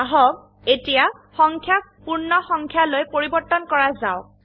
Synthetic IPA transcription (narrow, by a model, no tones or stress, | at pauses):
aɦɔb | etijaxɔŋkʰjapuɹnɔxɔŋkʰjalojpoɹibɔɹtːɔnkɔɹazaʊ